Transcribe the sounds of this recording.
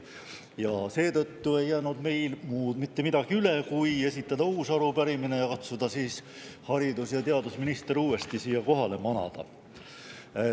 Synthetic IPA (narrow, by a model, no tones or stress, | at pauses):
jɑse̞ːt̪ɤt̪ːue̞jːæːnud̪̥me̞jlmuːd̪̥mit̪ːe̞mid̪̥ɑɡ̥iyle̞kuje̞sit̪ːˑɑd̪ɑuːsɑɾupæɾimine̞jɑkɑt̪sud̪̥ɑsiːs | hɑɾid̪usjɑt̪e̞ɑd̪usminist̪eɾuːe̞st̪isiːjɑko̞ɦɑle̞mɑnɑ̰d̪̥ɑ̰